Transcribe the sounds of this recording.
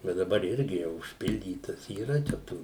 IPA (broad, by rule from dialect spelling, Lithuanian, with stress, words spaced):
bʲɛt dɐˈbɐr ˈɪrʲɡʲɪ jɛʊ ʊʃʲˈpʲɪlʲdʲiːtɐs iːˈrɐ t͡ʃʲɛ ˈtuː